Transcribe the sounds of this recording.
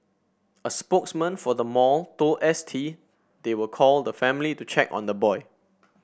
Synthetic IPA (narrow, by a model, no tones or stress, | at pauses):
əspoksmə̃nfɔdəmɔltoʔɛstʰi | dewəkʰɔldəfɛ̃mlitut͡ʃʰɛkɔ̰̃ndəbɔɪ